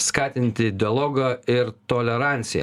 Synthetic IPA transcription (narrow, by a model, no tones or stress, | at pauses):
skɑːt̪ʲɪnʲt̪ʲɪd̪ʲɛlˠɔːɡɐɪɾt̪oːlʲɛɾɑˑnʲt̪sʲɪjɛ̰